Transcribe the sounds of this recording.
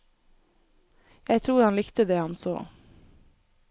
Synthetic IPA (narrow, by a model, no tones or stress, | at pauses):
jæɪt̪ʰɾuːɾhɑnlɪkt̪əd̪eːhɑnso̰ː